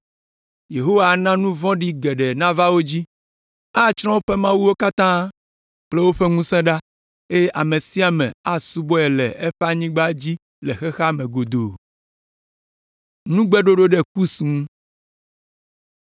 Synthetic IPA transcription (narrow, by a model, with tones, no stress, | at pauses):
je˨ɦo˦wa˦˨nã˦nũ˦vɔ̃˦ɖi˦ɡɛ˨ɖɛ˨nã˦va˦wo˦d͡ʑi˦ | a˦t͡ʃɾ̃ɔ̃˦o˦ɸe˦mã˦wu˦wo˦ka˦t̪ã˦ | k͡plɛ˦wo˦ɸɛ˦ŋũ˦sɛ̃˦ɖa˦ | e˦je˦ʔa˨mẽ˨si˦a˨mɛ̰̃˨a˦su˦bɔ˦ɛ˨lɛ˨ʔɛ˦ɸe˦a˦˨ɲĩ˦ɡ͡ba˦d͡ʑi˦ | lɛ˨xɛ˦xa˦mɛ̃˨ɡo˨d̪o˨ | nũ˦ɡ͡bɛ˦ɖo˦ɖo˦ɖɛ˦k̚u˦sũ˨˦